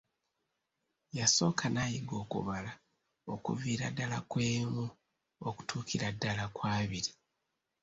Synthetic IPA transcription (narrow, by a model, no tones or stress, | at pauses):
jaso̞ːkʰanaːjiɡo̞ːkṵβala | o̞kṵviːɾadːalakwe̞ːmu | oku̥tʰuːkʰiɾadːalakwaːβiɾi